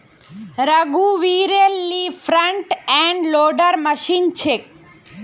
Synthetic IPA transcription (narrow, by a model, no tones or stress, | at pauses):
ɾəɡuʋiɾelːifʰɾəɳʈɛ̃ɳɖloɖəɾməʃint͡ʃʰek̚